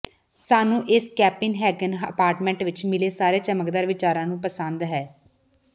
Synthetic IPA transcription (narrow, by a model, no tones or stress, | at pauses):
saːnũːʔɪskɛːpɪnɦɛːɡənəpaːɾʈmɛ̃ːɳʈʋɪt͡ʃmɪleːsaːɾeːt͡ʃəməkd̪aːɾʋɪt͡ʃaːɾãːnũːpəsə̃nd̪ɦɛː